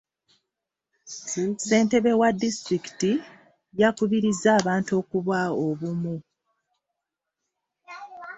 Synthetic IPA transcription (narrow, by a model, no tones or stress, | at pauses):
se̞ːnte̞βe̞wadːistɾiki̥ti | jakuβiɾizːaːβaːntuo̞kuβwaoβumu